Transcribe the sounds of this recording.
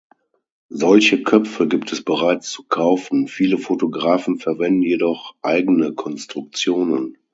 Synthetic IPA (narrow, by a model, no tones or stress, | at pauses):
zɔlçəkʰœpp͡fəɡiːptʰɛsb̥əʁaɪt͡st͡su̥kʰaʊfn̩fiːləfotoɡʁaːfn̩fɛɐvɛndn̩jedɔχʔaɪɡənəkʰɔnstʁ̥ʊk̚t͡sjoːnən